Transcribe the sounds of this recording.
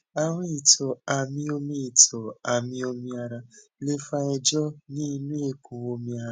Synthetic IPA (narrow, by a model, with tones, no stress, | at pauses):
a˦ŋʷe˦i˨tɔ˨a˨mĩ˦o˦mĩ˦i˨tʰɔ˨a˨mĩ˦o˧mĩ˧a˧ɾa˧le˦fa˦ɛ˧d͡ʒɔ˦ni˦nũ˦e˦ku˨o˧mĩ˧a˧˦